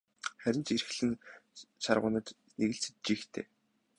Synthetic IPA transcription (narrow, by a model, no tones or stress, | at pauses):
χæɾʲɪ̆nt͡ɕirxɮɘ̆nʃarʁʊ̰ːnə̆t̪ | neɣɘ̆ɬt͡sɘ̥t̪̚t͡ɕiːxt̪ʰḛː